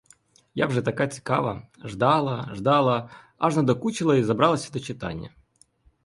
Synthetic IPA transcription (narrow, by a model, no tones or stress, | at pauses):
ja̰vʐɛt̪ɐkatʲɪ̥kavə̰ʐd̪alˠəʐd̪alˠə | aʐnəd̪ɐkut͡ɕɪlˠəizɐbɾalˠəsʲd̪ət͡ɕɪt̪a̰nʲɪ̰jə̰